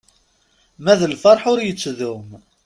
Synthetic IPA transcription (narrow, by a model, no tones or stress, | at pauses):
mæðəlfɑɾˤħʊɾjət͡sːðʊm